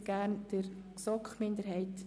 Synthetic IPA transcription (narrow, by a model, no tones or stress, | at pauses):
ɡ̥æːɾnd̥əɾ | sɔkχmɪnd̪əɾɦɛɪt